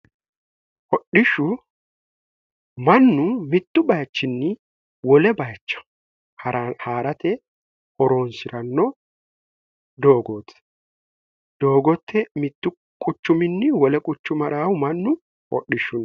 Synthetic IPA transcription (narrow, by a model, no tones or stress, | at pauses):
hɔɗɪʃːʊ | mɐnːʊmɪt̪ːʊbɐjt͡ʃːɪnːɪ | wɔlɛbɐjt͡ʃːɐ̥ | hɐɾhaːɾɐt̪ɛ | ʔɔɾo̞ːnsɪɾɐnːɔ | d̪oːɡoːt̪ʰːɛ̥ | d̪o̞ːɡɔt̪ːɛmɪt̪ːʊ | kʼʊt͡ʃːʊmɪnːɪwɔlɛkʼʊt͡ʃːʊmɐɾaːwʊmɐnːʊ | hɔ̰ɗːɪʃːʊn